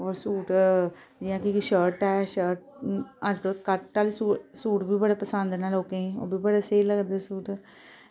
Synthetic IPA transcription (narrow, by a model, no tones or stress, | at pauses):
ɔːɾsuːʈ | d͡ʒiãːkikiʃəːɾʈɛːʃəːɾʈ̚əd͡ʒd̪oːkəʈaːlːsuːsuːʈbʱiːbəɽaːpəsə̃nd̪naːloːkeiɔ̰ːbʱiːbəɽeseiləɡd̪eːsuːʈ